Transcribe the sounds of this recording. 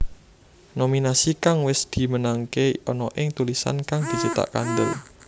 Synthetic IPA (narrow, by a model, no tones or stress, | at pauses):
nominasikaŋwɪsd̪̥i̤mənaŋkeɔnɔʔɪŋt̪ulisa̰nkaŋd̪̥i̤t͡ʃət̪a̰ʔka̰nd̪əl